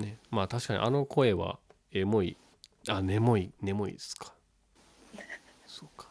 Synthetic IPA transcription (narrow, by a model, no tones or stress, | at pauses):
nemaːt̪aɕi̥kaɲ̟ḭʔano̞kʰo̞e̞βa̰ | emo̞i | ane̞mo̞ine̞mo̞ḭd̪esɨ̥kʰḁ | sok